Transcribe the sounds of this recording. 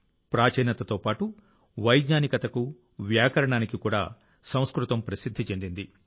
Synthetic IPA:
pɾaːt͡ʃɛːnɐt̪ɐt̪o̞ːpaːʈu | ʋɐjd̪ɲaːnikɐt̪ɐku | ʋjaːkɐɾɐɳaːnikikuːɽa̰ː | sɐ̃w̃skɾut̪ɐmpɾɐsid̪ʱːit͡ʃe̞nd̪ind̪i

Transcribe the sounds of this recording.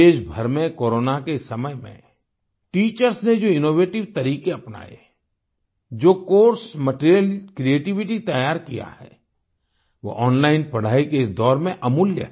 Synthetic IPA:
eːʃbʱəɾmẽkoːɾoːnakesɐməjmḛ̃ | ʈiːt͡ʃəɾsned͡ʒoːɪnoːʋeːʈɪʋt̪ɐɾiːkeɐpna̰ːjḛ | d͡ʒoːkoːɾsməʈɾijəlkɾieːʈɪʋɪʈit̪ɐjaːɾkija̰hɛ̰ː | ʋo̰ʔɔːnlaːɪnpɐɽ̤aːikeɪsd̪ɔːɾmẽʔɐmuljə̰

